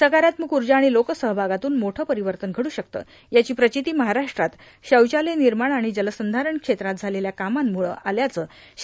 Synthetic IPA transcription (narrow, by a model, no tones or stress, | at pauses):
səkaɾjat̪məkuɾd͡ʑaːɽ̃ilokəsəɦbʱaɡat̪uːnmoʈʰəːpəɾiʋəɾt̪ənɡʱəɽuːɕək̚t̪ə̰ː | jat͡ɕiːpɾət͡ɕit̪iːməɦaɾaʂʈɾat̪ | ɕəwt͡ɕaleniɾmaɳaɽ̃id͡ʑələsənd̪ʱaɾəɳkʂet̪ɾat̪̚d͡zʱaleljakamamːuɭə̰ːʔaljat͡səː